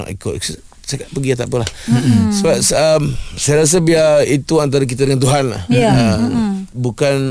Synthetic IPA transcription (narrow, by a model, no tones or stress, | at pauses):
a̰ʔḭkʊʔ̪ | sakaʔ̪̚pəɡiat̪aʔpəlahsəbap̚səmsajəɾas̬əbiait̪uant̪̬aɾak̬it̪̬adəŋant̪uɦanla̰hə | bukan